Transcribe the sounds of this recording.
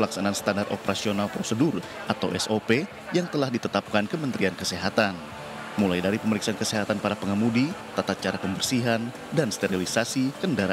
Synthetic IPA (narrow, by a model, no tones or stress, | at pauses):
laksanaːnst̪andart̪opəɾasionalpɾosədʊr | ʔat̪awʔɛsope | jaŋt̪əlahdit̪ət̪ap̚kankəmənt̪ɾiankəseɦat̪an | mulajdaɾipəməɾiksaankəseɦat̪anpaɾapəŋamudit̪at̪at̪̚t͡ʃaɾapəmbərsiɦan | danst̪eɾilisasikəndaɾa